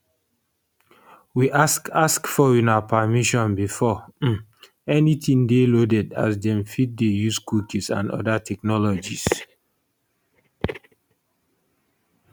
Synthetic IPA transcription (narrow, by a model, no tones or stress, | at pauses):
wiʔasaskfɔĩnapʰamiʃɔ̃nbifɔ | ɛnitĩŋdelodɛda̰sdɛ̃mfit̚dejuskukisã̰ndɔ̰datʰɛk̚nɔlɔd͡ʒis